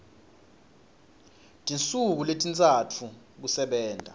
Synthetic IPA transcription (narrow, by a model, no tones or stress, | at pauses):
tʼint͡sʼuk̬uletʼint͡sʼatʰu | k̬usɛɓɛːndʱa̰